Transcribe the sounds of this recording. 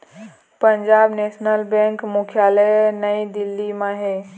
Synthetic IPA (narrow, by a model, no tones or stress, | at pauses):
pəɲd͡ʒaːbneːsnəlbẽŋkmukʰjalɛnəjd̪ɪlːimãɦe